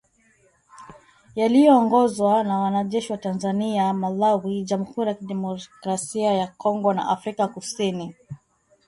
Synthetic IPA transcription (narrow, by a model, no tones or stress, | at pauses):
jalijɔːŋɡɔzwanawanaʄɛʃiwatanzaniamalawiʄamuhuɾijakiɗɛmɔkɾasiajakɔŋɡɔna̰ʔafɾikakusini